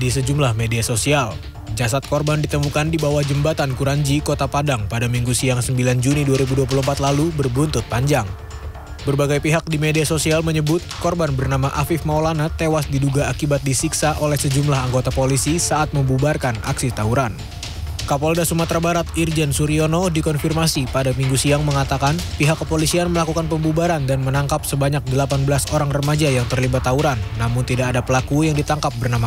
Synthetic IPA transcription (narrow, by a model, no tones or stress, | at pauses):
disəd͡ʒumlahmediasosial | d͡ʒasat̪̚kɔrbandit̪əmukandibawahd͡ʒəmbat̪ankuɾaɲd͡ʒikot̪apadaŋpadamiŋɡusiaŋsəmbiland͡ʒuniduaɾibuduap̬ulumpat̪lalubərbunt̪ʊt̪̚paɲd͡ʒaŋ | bərbaɡajpiɦak̚dimediasosialməɲəbʊt̪̚kɔrbanbərnamaʔafɪfmaolanat̪ewasdiduɡaakibat̪̚disiksaʔolɛhsəd͡ʒumlaɦaŋɡot̪apolisisaat̪̚məmbubarkana̰ksit̪auɾan | kapɔldasumat̪ɾabaɾat̪ird͡ʒɛnsuɾionodikɔnfirmasipadamiŋɡusiaŋməŋat̪akanpiɦakːəpolisianməlakukanpəmbubaɾandanmənaŋkapsəbaɲak̚dəlapanbəlasoɾaŋrəmad͡ʒajaŋt̪ərlibat̪ːauɾanːamʊnt̪idakadapəlakujaŋdit̪aŋkap̚bərnama